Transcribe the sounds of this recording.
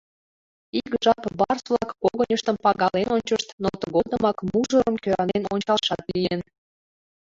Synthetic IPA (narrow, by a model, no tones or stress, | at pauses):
ikʒɑpbɑrsβlɑkkoɣənʲəʃt̪əmpɑɣɑlenonʲt͡ɕəʃt̪not̪əɣod̪əmɑkmuʒəɾəmkøɾɑnenonʲt͡ɕɑlʃɑt̪lijən